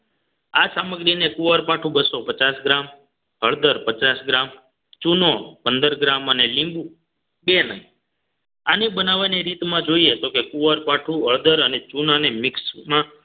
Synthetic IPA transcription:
asaməɡɾinekuʋəɾpaʈʰũbəsopət͡ʃasɡɾam | ɦəɭd̪əɾpət͡ʃasɡɾam | t͡ʃunopənd̪əɾɡɾamənelĩmbu | benə̰i | anebənaʋaniɾit̪mãd͡ʒoiet̪okekuʋəɾpaʈʰũəɭd̪əɾənet͡ʃunanemɪksmã

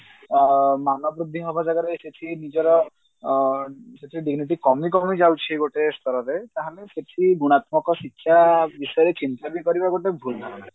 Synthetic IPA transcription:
manɔbɾud̪ʱːiɦɔbʱad͡ʒaɡɔɾeset͡ʃʰinid͡ʒɔɾɔ | seʈʰiɖiɡniʈ̬ikɔmikɔmid͡ʒawt͡ʃʰiɡoʈest̪ʰɔɾɔɾet̪aɦaleseʈʰiɡuɽ̃at̪mɔkɔsikʰːjabisɔjɔɾet͡ʃint̪abikɔɾibaɡoʈebʱulnʰʱaɾana

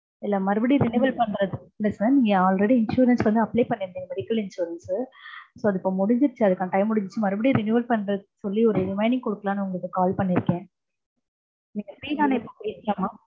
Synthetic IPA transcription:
ɪlːɐːmɐɾɯbɐɽiɾɪnuʋɐlpɐɳɾɐðɯplɐsniːŋɡɐaːlɾɐɽiɪnʂuːɾɐnsʋɐnd̪ɯɐpleːpɐɳːɪɾnɪŋɐʋɐɽɪkːɐlɪnʂuːɾɐns | soːɐðɯɪpːoːmʊɽɪɲd͡ʒɪɾt͡ʃːɯɐðɯkːãːʈɐɪmːʊɽɪɲd͡ʒɯɾt͡ʃːɯmɐɾɯbɐɽiɾɪnjuːʋɐlpɐɳːɾɐsɔlːiɔɾɯɾɪmɐɪnɪ̃ŋkɔɽɯkːɐlaːnɯʊŋɡɐɭɯkːɯkaːlpɐɳːɪɾɯkːẽː | niːŋɡɐfɾiːlaːnɐɪpːopːjɪsɪjaːmaː

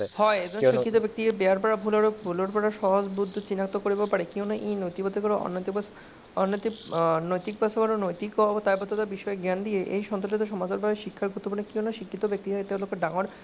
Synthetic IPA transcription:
hɔeed͡ʑɔnʃikːit̪obek̚t̪ikebeaɾpaɾabʱulaɾobʱuloɾpɔɾaʃɔɦod͡ʑbud̪ʱːot͡ɕinakt̪okoɾibepaɾekewnaʔejnojt̪ibɔd̪ʱekɔɾeʔɔ̰nːot̪ikba | ɔnːot̪inojt̪ik̚basʰobaɾonojt̪ikɔt̪ajbɔd̪ot̪abiʃɔeɡɛnd̪ieʔejʃɔnɾolet̪oʃɔmad͡ʑaɾbʱabeʃikʰːaɾɡut̪ːopunekewnaʃikʰːit̪obek̚t̪iɦajt̪elokːeɖaŋoɾ

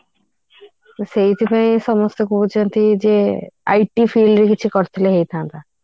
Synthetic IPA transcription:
sejt̪ʰipaĩʃɔmost̪okʰubot͡ɕant̪ʰid͡ʑea̰jʈifiɖɖɾekit͡ɕʰukɔɾt̪ʰileɦejt̪ʰãt̪a

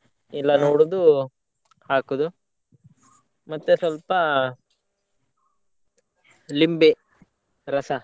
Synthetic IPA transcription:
ilːɐnoːɽud̪u | haːkod̪u | mɐt̪ːesʋɐlpɐ | limbe | ɾɐsɐ

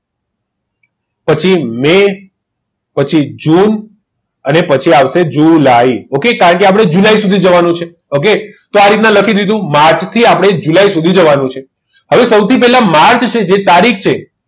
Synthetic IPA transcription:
pət͡ʃʰime | pət͡ʃʰid͡ʒun | ənepət͡ʃʰiaʋʃed͡ʒulaiokekaɾəɳkeap̬əɽ̃ed͡ʒulaisud̪ʱid͡ʒəʋanũt͡ʃʰe | ok̬et̪oaɾit̪nãləkʰid̪id̪ʱũmaɾt͡ʃt̪ʰiapəɽ̃ed͡ʒulaisud̪ʱid͡ʒəʋanũt͡ʃʰe | ɦəʋesəwt̪ʰipɛɦlamaɾt͡ʃt͡ʃʰed͡ʒet̪aɾikʰt͡ʃʰe

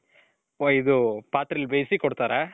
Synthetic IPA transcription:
oːid̪upaːt̪ɾilbejsikɔɽt̪aːɾa

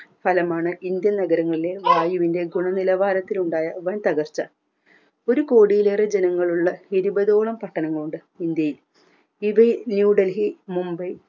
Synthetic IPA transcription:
fʰɐlɐmaːɳɨind̪jɐnɐɡɐɾɐŋːɐɭile̞ʋaːjuʋinde̞ɡuɳɐnilɐʋaːɾɐt̪ːiluɳɖaːjɐʋɐnt̪ɐɣɐrt͡ɕːɐ | o̞ɾuko̞ːɽijileːred͡ʑenɐŋːɐɭuɭːɐhiɾubɐðo̞ːɭɐmpɐʈːɐnɐŋːɐɭuɳɖɨ | ind̪jɐjil | iʋɐjnjuːɖɐlɦimumbɐj

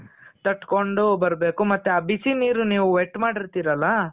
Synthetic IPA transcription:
t̪ɐʈkoɳɖubɐɾbe̞ːkumɐt̪ːeabisiniːɾuniːʋuʋeʈːmaːɽiɾt̪iːɾɐlːɐ

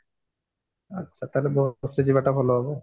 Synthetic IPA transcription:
atːɕʰat̪alebosɾed͡ʑibaʈabʱɔloɦɔbo

